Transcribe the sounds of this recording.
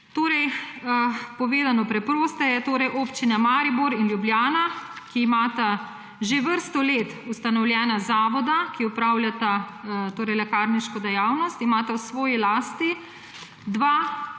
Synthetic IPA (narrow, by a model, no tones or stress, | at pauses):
t̪oːɾɛj | pɔʋeːd̪anɔpɾɛpɾoːst̪ɛjɛt̪oːɾɛjʔoːpt͡ʃinamaːɾibuɾinljubljaːnakiːmaːt̪a | ʒeʋəɾst̪ɔleːt̪ust̪anɔwljɛːnazaːʋɔd̪akiupɾaːwlʲjat̪at̪oːɾɛjlɛkaɾniʃkɔd̪ɛjaːwnɔst̪imaːt̪awsʋɔːjilaːst̪i | d̪ʋa